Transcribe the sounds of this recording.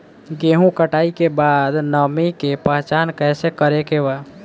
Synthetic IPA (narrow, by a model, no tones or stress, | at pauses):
ɡeːɦũkəʈaːikebaːd̪nəmikepəɦt͡ʃaːnkɛːsekəɾekeʋa